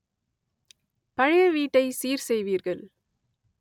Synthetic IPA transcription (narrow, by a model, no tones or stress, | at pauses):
pɐɻɪjɐʋiːʈːɐɪsiːɾsɛjʋiːɾɣɐɭ